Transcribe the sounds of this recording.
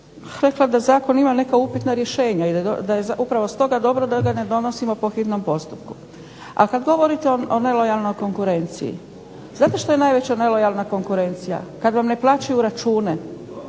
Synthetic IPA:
ɾe̞klˠad̪azaːko̞nimane̞kaupit̪naɾje̞ʃe̞ːɲaid̪ajezupɾaʋo̞st̪o̞ɡad̪o̞bɾod̪aɡane̞d̪o̞no̞simopo̞xit̪no̞mpo̞st̪upku | a̰lkad̪ɡo̞ʋo̞ɾit̪eoone̞lo̞jalˠno̞jko̞ŋkuɾe̞nt̪sḭjḭ | znaːt̪e̞ʃt̪o̞je̞naːjʋe̞t͡ɕane̞lo̞jalˠnako̞ŋkuɾe̞nt̪sija̰kad̪ʋamne̞plˠaːt͡ɕajuɾat͡ʃuːne̞

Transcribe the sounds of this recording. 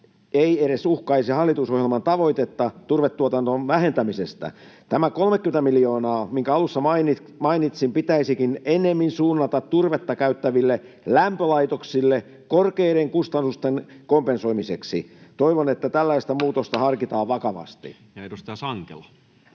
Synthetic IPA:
eieɾesuhkɑisihɑlːit̪usohjelmɑnt̪ɑʋo̞it̪et̪ːɑt̪urʋet̪ːuot̪ɑnt̪onʋæhent̪æmisest̪æ̰ | t̪æmækolmekːyment̪æmilijo̞ːnɑːmiŋkæɑlusːɑmɑini | mɑinit̪simpit̪æisikinenːˑemːinsuːnːɑt̪ɑt̪t̪urʋet̪ːɑkæyt̪ːæʋilːe | læmpølɑit̪oksilːe | korkeiɾeŋkust̪ɑnːust̪enkompenso̞imiseksḭt̪oiʋonet̪ːæt̪ælːæist̪æmuːt̪ost̪ɑhɑrkit̪ɑːʋʋɑkɑʋɑ̰st̪ḭ | jɑet̪usit̪æsɑŋkḛlɑ

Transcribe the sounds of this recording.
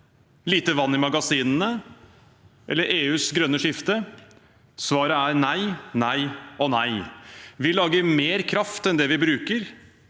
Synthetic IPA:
liːt̪əʋɑnːɪmɑɡɑsiːnnə | ʔɛ̰lːəɾʔeːʉːsɡɾœnːəʂɪft̪ə | sʋɑːɾəæɾnæɪnæɪɔnæɪʋɪlɑːɡəmeːɾkʰɾɑft̪ɛnd̪ɛʋɪbɾʉːkəɾ

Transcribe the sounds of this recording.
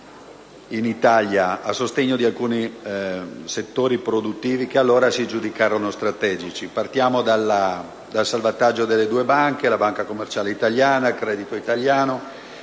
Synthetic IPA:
init̪aljaasːost̪eɲːod̪ialkuːni | set̪ːoːɾipɾod̪ut̪ːiːvikealːoːɾasid͡ʒud̪ikaːɾonost̪ɾat̪ɛːd͡ʒit͡ʃipart̪jaːmod̪ala | d̪alsalvat̪ad͡ʒːod̪elːed̪uːebaŋkelabaŋkakomːert͡ʃaːleit̪aljaːnailkɾɛːd̪it̪oit̪aljaːno

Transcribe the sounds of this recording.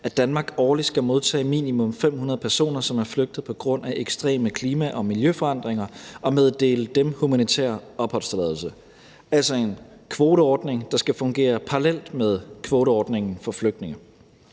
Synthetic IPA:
æd̥ænmɑ̈ːɡ̥ɒːlid̥sɡ̥æmo̝ð̞ˠt͡sʰɛ̰ːmḭːnimɔ̽mfem̰hunɐð̞̩ˠpʰæɐso̝̰ːnɐsɒ̽mæɐfløɡ̥̚d̥ð̩ˠpʰɒ̽ɡ̥ʁɔ̽n̰æʔeɡ̥sd̥ʁɛ̰ːməkʰliːmæʔɒ̽miljøfɒ̽ɑ̈n̰d̥ʁeŋɐʔɒ̽meðˠd̥e̝̰ːləd̥emhumænit͡sʰḛɐ̰ɒ̽b̥hɒ̽lsd̥əlɛðˠl̩sə | æl̰sɒe̝nkʰʋo̝ːɾəɒːd̥ne̝ŋd̥ɑ̈sɡ̥æfɔ̽ŋɡ̥e̝̰ːɐpʰɑʁalel̰d̥með̞ˠkʰʋo̝ːɾəɒːd̥ne̝ŋn̩fɒ̽fløɡ̥̚d̥ne̝ŋə

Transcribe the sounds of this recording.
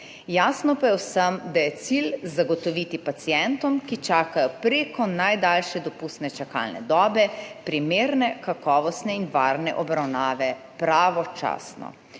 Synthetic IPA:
jaːsnɔpajɛwsəmd̪ajɛt̪silzaɡɔt̪ɔʋit̪ipat̪sijɛnt̪ɔmkit͡ʃaːkajɔpɾeːkɔnajd̪alʃɛd̪ɔpust̪nɛt͡ʃaka̰lnɛ̰d̪ɔːbɛpɾimeːɾnɛkakɔːʋɔst̪nɛinʋaːɾnɛ̰ʔɔbɾawnaːʋɛ | pɾaʋɔt͡ʃa̰ːsnɔ̰

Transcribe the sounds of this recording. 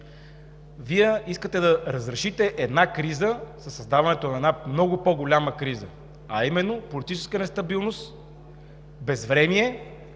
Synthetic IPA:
viɛiskət̪ɛd̪ɐɾəzɾɛʃit̪ɛʔɛd̪nakɾizəsɐsːɐzd̪avɐnɛt̪onɐɛd̪amnɔɡʊpɔɡolʲaməkɾizə | ɐimɛnːopolit̪it͡ʃɛ̥skənɛst̪ɐbilˠnost̪ | bɛzvɾɛmiɛ

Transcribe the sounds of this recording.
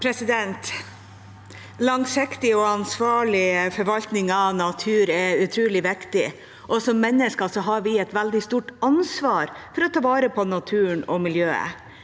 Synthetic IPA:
pʰɾɛsɪd̪ɛnt̪ | lɑŋsɪkt̪ɪɔɑnsʋɑːɭɪfɔɾʋɑlt̪nɪŋɑʋnɑt̪ʰʉːɾɛʉt̪ʰɾuːlɪʋɪkt̪ɪ | ʔɔsɔmːɛnːəskɑsɔɦɑɾʋɪɛt̪ʋæld̪ɪst̪uːʈɑnsʋɑːɾfɔɾɔt̪ʰɑːʋɑːɾəpʰɔnɑt̪ʰʉːɳɔmɪljøːə̰

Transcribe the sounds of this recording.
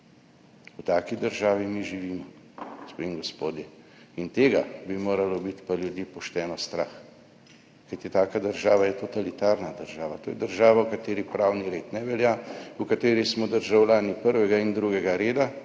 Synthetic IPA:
wt̪aːkid̪əɾʒaːʋimiʒiʋiːmɔ | spemɡɔspoːd̪jɛ | int̪eːɡabimoːɾalɔbit̪paljud̪jiːpɔʃt̪ɛːnɔst̪ɾa̰ːx | kajt̪it̪aːkad̪əɾʒaːʋajɛt̪ɔt̪alit̪aːɾnad̪əɾʒaːʋat̪oːjɛd̪əɾʒaːʋawkat̪eːɾipɾaːwniɾeːt̪nɛʋɛljaukat̪eːɾismɔd̪əɾʒawlʲaːnipəɾʋɛɡaind̪ɾuːɡɛɡaɾeːd̪a

